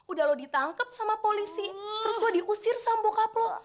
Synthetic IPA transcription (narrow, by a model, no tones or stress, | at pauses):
udaɦlohdit̪aŋkəp̚samapolisit̪əɾʊslɔdiʔusɪrsambokaplo